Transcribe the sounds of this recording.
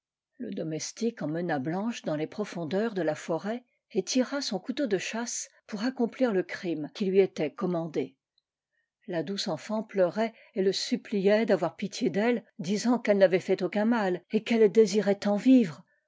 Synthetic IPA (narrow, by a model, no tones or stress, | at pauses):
lə̰d̪ɔmɛst̪ikɑ̃mənablɑ̃ʃd̪ɑ̃lepχɔfɔ̃d̪œʁd̪əlafɔʁɛ | et̪ʰiʁasɔ̃kut̪od̪əʃaspuʁakɔ̃pliʁləkχimkʲilɥiet̪ɛkɔmɑ̃d̪e | lad̪usɑ̃fɑ̃plœʁɛ | eləsyplijɛd̪avwaʁpit̪jed̪ɛld̪izɑ̃kɛlnavɛfɛt̪okɛ̃malekɛld̪eziʁɛt̪ɑ̃vivʁ